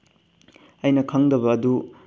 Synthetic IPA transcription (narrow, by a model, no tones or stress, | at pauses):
ɐjnɐkʰɐŋdɐbɐːd̪u